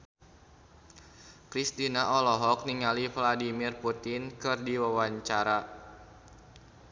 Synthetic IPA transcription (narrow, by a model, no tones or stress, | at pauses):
kɾist̪inaʔɔlɔɦɔk̚niŋalivladimirput̪ɪnkɨrdiwawaɲt͡ʃaɾa